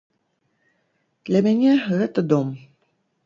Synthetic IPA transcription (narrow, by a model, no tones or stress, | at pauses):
d̪̥lʲɐmʲanʲɛɣɛt̪əd̪ɔm